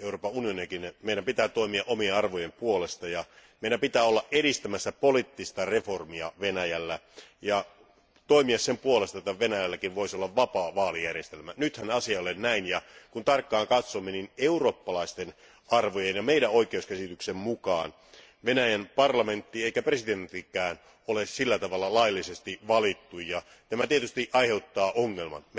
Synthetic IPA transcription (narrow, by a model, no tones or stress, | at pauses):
euroːpɑunioniɑkinmeiɾæmpit̪æːt̪oimiɑʔomieɑrʋojempuolest̪ɑjɑmeiɾæmpit̪æːolːɑʔʔeɾist̪æmæsːæpolit̪ːist̪ɑreformiɑ̰ʋenæjælːæjɑ | t̪oimiɑssempuolest̪ɑet̪ːæʋenæjælːækinʋoisolːɑʋʋɑpɑːʋɑːlijærjest̪elmænyt̪hænɑsiɑlennæinjɑkunt̪ɑrkːɑːŋkɑt̪somːenineuroːpːɑlɑist̪en | ɑrʋojenjɑmeidæoikeuskæsit̪yksemmukɑ̰ːn | ʋenæjænpɑrlɑme̞nt̪ːieikæpresident̪ːikæːn | olessilːæt̪ɑʋɑlːɑlɑjlːisest̪iʋɑlit̪ːujjɑ | t̪æmæt̪iet̪yst̪iʔɑiheut̪ːɑːʔoŋːelmɑ̰n